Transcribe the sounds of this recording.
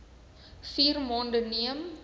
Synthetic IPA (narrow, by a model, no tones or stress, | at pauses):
fiːrmoːndəniəm